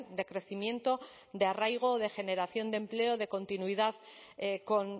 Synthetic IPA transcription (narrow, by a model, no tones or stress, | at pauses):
d̪e̞kɾe̞θimjẽ̞nt̪o̞ | d̪e̞arajɣ̞o̞ð̞e̞xe̞ne̞ɾaθjo̞nd̪e̞mple̞oðe̞ko̞nt̪inuiðaðko̞n